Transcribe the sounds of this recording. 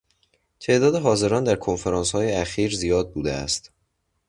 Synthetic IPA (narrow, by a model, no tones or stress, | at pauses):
t̪ʰe̞ːʔd̪ɒːd̪eɦɒːze̞ɾɒːnd̪æɾkʰo̞nfe̞ɾɒːnshɒːjeæxiːɾzijɒːd̪̚buːd̪ḛæ̰st̪